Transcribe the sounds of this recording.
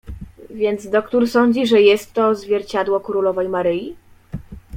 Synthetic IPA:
vʲjɛnd̪zd̪ɔkt̪uɾsɔɲd͡ʑiʐɛjɛst̪ːɔzvʲjɛɾt͡ɕad̪wɔkɾulɔvɛjmaɾɘji

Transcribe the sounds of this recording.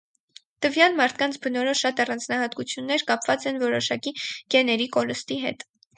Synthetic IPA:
t̪əvjɑlmɑɾt̪ʰkɑnt͡sʰbənɔɾɔʃɑt̪ɑrɑnd͡znɑhɑt̪kut͡sʰjunːɛɾkɑpvɑt͡sɛnvɔɾɔʃɑkiɡ̥ɛnɛɾikɔɾəst̪iɦɛ̰t̪

